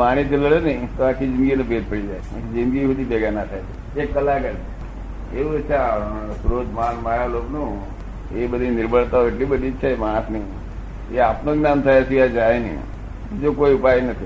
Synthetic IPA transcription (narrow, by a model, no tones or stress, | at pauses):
paɽ̃it̪ʰiləɽenəit̪oakʰid͡ʒɪnɡinebeɾ̚pəɽid͡ʒaja̰kid͡ʒɪ̃nɡiɦət̪ibeɡanat̪ʰajt̪ʰ | ekːəlakəɾ | euet͡ʃʰasɾod̪ʱmanmaɾaloknũː | ebəd̪ʱinɪɾbʱəɭt̪aoeʈlibəd̪ʱit͡ʃʰemasni | ḛapnõɡnant̪ʰajəsiad͡ʒaenḭ | d͡ʒokoiʊpajnət̪ʰi